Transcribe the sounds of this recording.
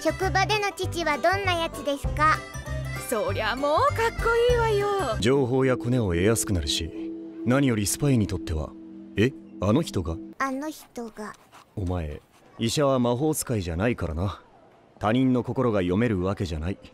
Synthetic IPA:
ɕo̞kɯ̟bad̪e̞no̞t͡ɕit͡ɕiβad̪õ̞nːajat͡sɨd̪e̞sɨ̥ka | soɾeβamoːkakːo̞iːβajod͡ʑo̞ːɦo̞ːjako̞ne̞o̞e̞jasɨ̥kɯ̟naɾɯ̟ɕḭnaɲ̟ijo̞ɾʲisɨ̥paiɲ̟it̪o̞t̪ːe̞βa̰e̞ano̞çi̥t̪o̞ɡaano̞çi̥t̪o̞ɡao̞mae̞̰ | iɕaβamaɦo̞ːt͡sɨ̥kaiʑanaikaɾa̰na | t̪aɲ̟ĩnːo̞ko̞ko̞ɾo̞ɡajo̞me̞ɾɯ̟βake̞ʑa̰nai

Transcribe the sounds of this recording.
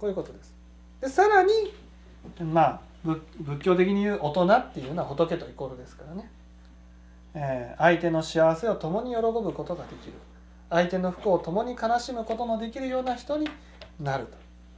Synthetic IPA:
kojɯ̟kot̪o̞d̪e̞sɨ̥ | d̪̥e̞saɾaɲ̟i | maː | bɯbɯ̟kʲːo̞ːt̪e̞kʲiɲ̟ijɯ̟ːʔo̞t̪o̞nat̪ːejɯɯnoaaot̪o̞ke̞t̪o̞iko̞ɾɯ̟d̪e̞sɨ̥kaɾane̞ | eːait̪e̞no̞ɕiaβ̞ase̞o̞t̪o̞mo̞ɲ̟ijo̞ɾo̞ko̞bɯ̟ko̞t̪o̞ɡad̪e̞kʲiɾɯ̟̰ | ait̪e̞no̞ɸɯ̟̥kɯ̟ot̪o̞mo̞ɲ̟ikanaɕimɯ̟ko̞t̪o̞mo̞d̪e̞kʲiɾɯ̟jo̞ːnaçi̥t̪o̞ɲ̟i | naɾɯ̟t̪o̥

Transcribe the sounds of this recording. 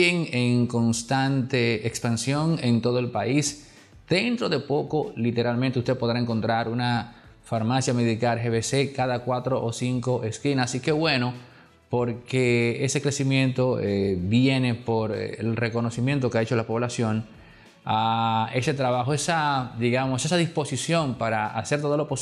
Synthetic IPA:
eŋeŋko̞nst̪ant̪e̞ekspansjo̞ŋe̞nt̪o̞ð̞o̞e̞lpais | d̪̥e̞nt̪ɾo̞ðe̞po̞ko̞lit̪e̞ɾalment̪eust̪epo̞ðɾaeŋko̞nt̪ɾaɾuna | faɾmasjameðikaɾxeβese̞kaðakwat̪ɾo̞ʔosiŋko̞ʔeskinasike̞βwe̞no̞ | po̞ɾkeese̞kɾe̞simjẽ̞nt̪o̞ebje̞ne̞poɾ̰ḛlre̞ko̞no̞simjẽ̞nt̪o̞keaet͡ʃo̞lapo̞β̞lasjo̞ŋ | ae̞se̞t̪ɾaβaxoesad̪iɣamo̞se̞saðispo̞sisjo̞mpaɾaa̰se̞ɾt̪oðolo̞po

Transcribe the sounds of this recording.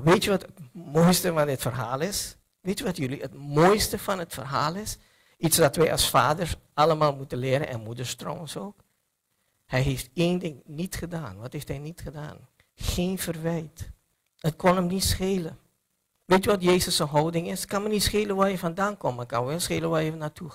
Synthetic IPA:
ʋeːtjyʋɔtətmoːjstəfɑndɪtfərɦaːlˠɪs | ʋeːtjyʋɑtjəliətmoːjstəfɑnətfərɦaːlˠɪs | itsdɑtʋɛjʔɑ̰sfaːdəɹsɑləmaːlˠmutənlɪːɾə̰nʔɛ̰nmudəɹstro̰soːk | hɛjɦeːfteːndɪŋnitχədaːnʋɑtheftɦɛjnitχəda̰ːn | xeːnfərʋɛjt | ət̚kɔnəmnitsxeːlə | ʋeːtyːʋɑtjeːzəsənɦɔwdɪŋɪskɑnmənitsxeːləʋaːjəfɑndaːnkɔmmakɑnʋɛlˠsxeːlənʋaːjəvnaːtʰu

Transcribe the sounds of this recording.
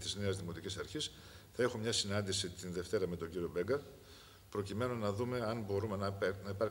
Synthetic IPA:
t̪izne̞ɐzðimo̞t̪icisɐɾçis | θɐe̞xo̞mɲɐsinɐnd̪isit̪inðe̞ft̪e̞ɾɐme̞t̪o̞ɲɟiɾio̞be̞ŋɡɐ | pɾo̞cime̞nonɐðume̞ɐnbo̞ɾumennɐipɐɾ

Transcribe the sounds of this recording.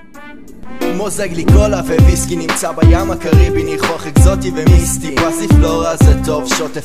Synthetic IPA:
mozeɡlikolaveviskinimt͡sabajamakaʁibinijχoaχekzot̪ivemistiasiflo̞ʁazeto̞vʃote

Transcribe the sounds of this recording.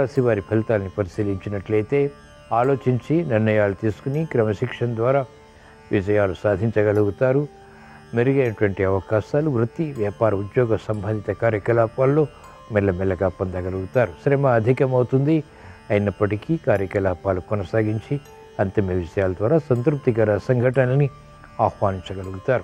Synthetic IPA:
aːsiʋaːɾipʰɐlt̪aːlɐnipɐɾisiːliɲt͡ʃinɐʈlɐjt̪e̞ː | aːlo̞ːt͡ʃiɲt͡ʃiniɾnɐjaːlut̪iːsu̥kunikɾɐmɐʃikʂɐnd̪ʋaːɾaː | ʋid͡ʒɐjaːlusaːd̪ʱiɲt͡ʃɐɡɐluɡut̪aːɾu | meɾuɡɐjnɐʈʋɐɳʈiɐʋɐkaːʃaːluʋɾut̪ːiʋjaːpaːɾɐud̪joːɡɐsɐmbʱɐnd̪it̪ɐkaːɾjɐkɐlaːpaːlːo̞ː | mɛlːɐmɛlːɐɡaːpɐnd̪ɐɡɐluɡut̪aːɾuʃɾeːmɐːd̪ʱikɐmɐwut̪und̪i | ɐjinɐpːɐʈikiːkaːɾjɐkɐlaːpaːlukɔnɐsaːɡiɲt͡ʃi | ɐnt̪imɐʋid͡ʒɐjaːlɐd̪ʋaːɾaːsɐnt̪ɾup̚t̪ikɐɾɐsɐŋɡʱɐʈɐnɐni | aːxʋaːniɲt͡ʃɐɡɐluɡut̪aːɾu

